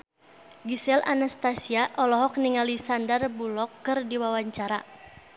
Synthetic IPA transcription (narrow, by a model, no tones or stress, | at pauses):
ɡisɛlʔanast̪asiaʔɔlɔɦɔkniŋalisandarbulɔkːɨrdiwawaɲt͡ʃaɾa